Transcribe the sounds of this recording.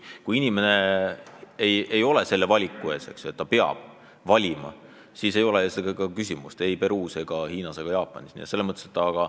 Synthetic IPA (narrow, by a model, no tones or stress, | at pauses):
kujinʲime̞ne̞ | eje̞jo̞le̞se̞lːe̞vɑlʲikːˑue̞ːse̞̰ksue̞t̪ːɑpeɑ̰b̥ | vɑlʲimɑ̰ | siːse̞jo̞lesekɑkysʲimust̪e̞jpe̞ɾuːseɡ̥ɑhiːnɑseɡ̥ɑjɑːpːˑɑ̰nʲisnḭḛse̞lːemɤt̪ːˑeset̪ːɑɡ̥ɑ